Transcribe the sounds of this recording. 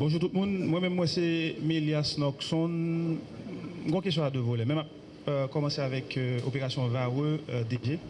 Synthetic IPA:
bɔ̃ʒut̪ut̪̚mũnmwɛ̃mɛ̃mːwɛsemiljasnɔksɔ̃n | m̩ɡɔ̃kest̪̬jɔ̃ad̪əvolɛmɛ̃map̚ | kɔmɑ̃seavɛkʰopeʁasjɔ̃vaʁød̪eʒe

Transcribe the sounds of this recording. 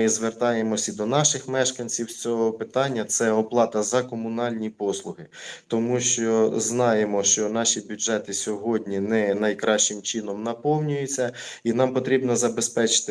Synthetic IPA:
izʋert̪ɑjemɔsʲid̪ɔnɑʃɪxmɛʃkɐnʲt͡sʲiwst͡sʲɔɦɔpɪt̪ɑnʲːɐt̪sɛɔplˠɑt̪ɐzɐkɔmʊnɑlʲnʲipɔslˠʊɦɪt̪ɔmuʃt͡ʃɔznɑjemɔʃt͡ʃɔnɑʃibʲuʒɛt̪ɪsʲɔɦɔdʲnʲinɛnɐjkɾɑʃt͡ʃɪmt͡ʃinɔmnɐpɔwnʲʊjʊt͡sʲːɐinɑmpɔt̪ɾʲibnɔzɐbespɛt͡ʃɪ̥t̪

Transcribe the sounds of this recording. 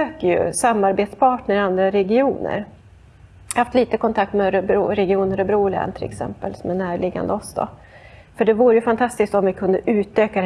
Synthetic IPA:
øːkəjɵ̰samːaɾbeːt̪spʰɑːʈɳəɾand̪ɾaɾɛɡɪuːnə̰ɾ | haft̪liːt̪əkʰɔnt̪ʰak̚t̪mɛɾɾɛɡɪuːnəɾɔbɾuːlɛ̰ːnt̪ʰɪlɛ̰ksɛ̰mpəlsɔmɛnæːɾɭɪɡa̰nd̪əɔsd̪ɔ̰ | fœɖɛvuːɾəjɵfant̪ʰast̪ɪsk̚t̪ɔmvɪkʰɵnd̪əʔʉ̟ːt̪øːka

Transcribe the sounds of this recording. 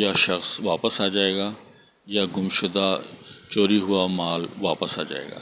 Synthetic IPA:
jaʃɐxsʋaːpəsaːd͡ʒaːeːɡaː | jaɡʊmʃʊd̪at͡ʃoːɾiɦʊamaːlʋaːpəsa̰ːd͡ʒa̰ːḛːɡa̰ː

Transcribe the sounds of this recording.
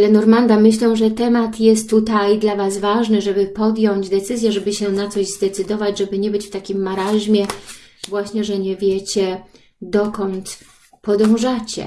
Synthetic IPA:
lɛnɔɾmand̪amɘɕlɛ̃ʐɛt̪ɛmat̪jɛst̪ːut̪ajd̪lavasvaʐnɘʐɛbɘpɔd̪ʲjɔɲd͡ʑd̪ɛt̪sɘzʲjɛʐɛbɘɕɛnat̪sɔʑzd̪ɛt̪sɘd̪ɔvad͡ʑʐɛbɘɲɛbɘt͡ɕft̪akʲimːaɾaʑmʲjɛvwaɕɲɛʐɛɲɛvʲjɛt͡ɕɛ | d̪ɔkɔnt̪ | pɔd̪ɔ̃w̃ʐat͡ɕɛ̰

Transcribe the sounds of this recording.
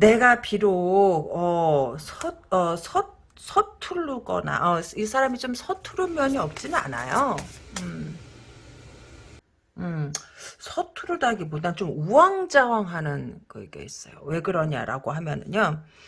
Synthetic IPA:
ne̞ɡapiɾoʌsʰʌʌsʰʌ | sʰʌtʰuɭːuɡʌ̰na̰ʔʌis̬ʰaɾamit͡ɕomsʰʌtʰuɾumjʌɲiʌp̚t͡ɕ͈inɯna̰na̰joɯm | ɯ | sʰʌtʰuɾudaɡibodat͡ɕomuwaŋd͡ʑawaŋɦanɯnɡʌiɡḛis͈ʌjo̰we̞ɡɯɾʌɲa̰ɾa̰ɡoɦamjʌnɯ̰ɲo

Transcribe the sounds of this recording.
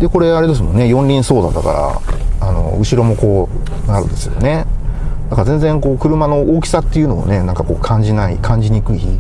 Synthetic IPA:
d̪e̞ko̞ɾe̞aɾe̞d̪e̞s̬ɨmo̞nːe̞jõ̞ɲʲɾʲĩɰ̃so̞ːd̪a̰t̪ːaka̰ɾa̰ano̞̰ɯ̟ɕiɾo̞mo̞ko̞ː | naɾɯ̟̰d̪e̞sɨjo̞̰ne̞d̪̥akaɾazẽ̞nd͡zẽ̞ŋko̞ːkɯ̟ɾɯ̟mano̞oːkʲi̥sat̪ːe̞jɯ̟no̞̰ːne̞nãŋkako̞̰ːkʰãɲ̟d͡ʑinaḭkʰãɲ̟d͡ʑiɲ̟iːkɯ̟içi

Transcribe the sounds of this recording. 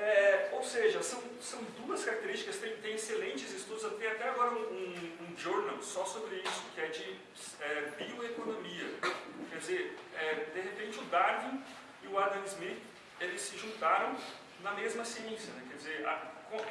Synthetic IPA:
ɛowseʒɐsɐ̃w̃sɐ̃w̃d̪uɐskaɾak̚t̪eɾist͡ʃikɐst̪ẽj̃t̪ẽj̃eselẽnt͡ʃɪzɪst̪ud̪ʊzat̪ẽj̃at̪ɛaɡɔɾɐũũũʒoɾnɐwsɔsobɾɪisʊkɪɛd͡ʒɪ | ɛbioekonõmiɐkɛɾd͡ʒɪzeɾɛd̪eɦepẽnt͡ʃɪʊd̪aɾvĩ | ɪʊad̪ɐ̃nzmit | elɪsːɪʒũnt̪aɾɐ̃w̃ | nɐmezmɐsiẽsjɐnɛkɛɾd͡ʒɪzeɾa̰kõ

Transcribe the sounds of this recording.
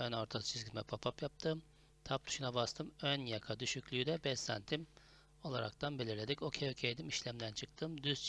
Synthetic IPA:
ønoɾt̪ʰasɯ̥t͡ʃʰizɡʲimɛpʰapʰapjap̚t̪ʰɯm | t̪ʰap̚t̪ʰy̥ʃunabast̪ʰɯmønjakʰad̪yʃycʲlʲyyd̪ɛbɛsæ̰nt̪ʰim | o̞lˠaɾa̰k̚t̪ʰanbe̞lʲiɾlʲe̞d̪ico̞cʰejocʰejd̪imiʃlʲæmd̪ænt͡ʃʰɯk̚t̪ʰɯmd̪yzt͡ʃ

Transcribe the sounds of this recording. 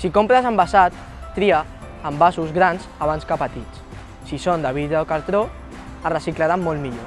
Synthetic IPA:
sikompɾazambasat̪ː | ɾiaː | mbasuzɣɾanzaβ̞anskapət̪it͡s | sisond̪aβiðɾəokaɾt̪ɾo | arəsiklaɾamːolmiʎo

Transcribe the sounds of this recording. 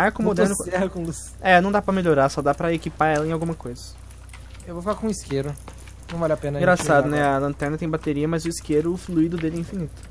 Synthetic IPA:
aɾkʊmod̪ɾnʊt̪ɛhɐkõlus | ɛnɐ̃w̃d̪apɾɐmelʎoɾasɔd̪apɾɐekipaɾɛlɐẽawɡũmɐkojzɐ | ewvofalakõiskeɾʊ | nɐ̃w̃valapẽnɐ̃ɡɾasad̪ʊnɛɐlɐ̃nt̪ɛɾnɐt̪ẽbat̪eɾiɐmɐzʊiskeɾʊːfluid̪ʊd̪elɪĩfinit̪ʊ̥

